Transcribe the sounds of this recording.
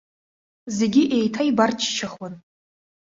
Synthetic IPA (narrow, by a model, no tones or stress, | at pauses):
ze̞ɡʲiʔejtʰaibart͡ʃʰt͡ʃʰaχwan